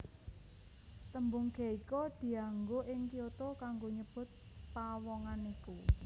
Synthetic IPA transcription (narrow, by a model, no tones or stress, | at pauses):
t̪əmbuŋɡ̥ɛ̤ikod̪̥i̤aŋɡoʔɪŋkiot̪okaŋɡoɲəb̥ʊ̤t̪̚ | pawɔŋaniku